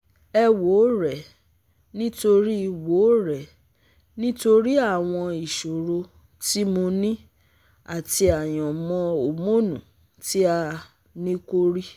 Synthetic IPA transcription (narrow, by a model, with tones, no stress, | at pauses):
ɛ˧wo˨˦ɾɛ˨ | nĩ˦to˧ɾi˦i˨woː˨˦ɾɛ˨ | nĩ˦to˧ɾi˦a˦˨w̃ɔ̃˧i˨ʃo˨ɾo˧ | ti˦mo˧nĩ˦ | a˨ti˧a˨j̃ɔ̃˨mɔ̃˧o˨mo˦nũ˨ | ti˦a˧ | nĩ˦ko˦ɾi˦